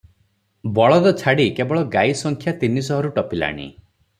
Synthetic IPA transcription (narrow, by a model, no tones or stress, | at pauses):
bɔɭɔd̪ɔt͡ʃʰaɽikebɔɭɔɡajsɔŋkʰjat̪inisɔɦɔɾuʈɔpila̰ɽ̃ḭ